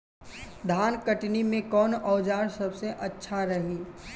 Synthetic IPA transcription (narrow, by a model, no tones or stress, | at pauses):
d̪ʱaːnkəʈnimẽkɔːnɔːd͡ʒaːɾsɐbseʔɐtːʃʰaɾɐɦĩ